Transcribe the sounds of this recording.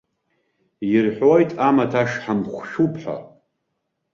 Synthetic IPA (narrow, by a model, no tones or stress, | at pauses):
jɪrħʷojtʼamatʰaʂħamχʷʃᶣupʰħa̰